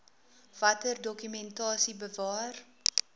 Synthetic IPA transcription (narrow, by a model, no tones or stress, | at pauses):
vɐtərdɔkymɛntɑːsibəvɑːr